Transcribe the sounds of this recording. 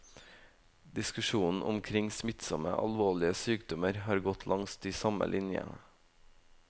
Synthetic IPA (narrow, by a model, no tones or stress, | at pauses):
d̪ɪskʉʃuːnn̩ʔʊmkʰɾɪŋsmɪt̪sɔmə̰ʔɑlʋoːɭɪəsyːkd̪ɔməɾhɑːɾɡɔt̪ʰlʔɑŋst̪iːsɑmə̰lʔɪnjə̰